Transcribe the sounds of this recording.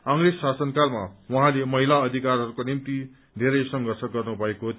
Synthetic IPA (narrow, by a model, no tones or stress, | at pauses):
ʌŋreːasʌnkalma̰wʌɦãlemʌɦilaʌd̪ʱikarɦʌɾukonimt̪i | d̪ʱeɾʌjsʌŋɡʱʌrsʌɡʌrnubʱʌeko